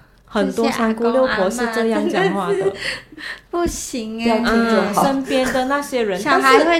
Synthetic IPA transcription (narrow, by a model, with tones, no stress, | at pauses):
xə˨˩nt̪wɔ˥˧sʰa˧˥ŋku˥ljo˥˩ʊkwɔ˧˥ʂɻ̩˥˧ʈ͡ʂɤ˥˧jɑ˥˩˧ŋt͡ɕjɑ˨˩ŋxwa˥˩d̪ə˩ | pu˥˩ɕi˧˥ŋja˥˧˩i˥˧t͡ɕə˥˩˨ə˥npjɛ˥nd̪ə˨na˥˩ɕjɛ˥ɻə˧˥n˥˧˥we˥˩